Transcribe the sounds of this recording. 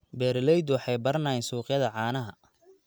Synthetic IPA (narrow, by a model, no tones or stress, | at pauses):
bɛːɾlɛjd̪wɑħɑjbɐrnaːjɛnsuːqjɐðɐʕɑːnɐɦɐ